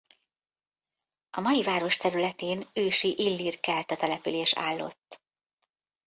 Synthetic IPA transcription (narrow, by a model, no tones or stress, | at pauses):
ɒmɒjivaːɾo̞ʃt̪ɛɾylɛt̪eːnøːʃiʔilːirkɛlt̪ɒt̪ɛlɛpyleːʃa̰ːlːo̞̰t̪ː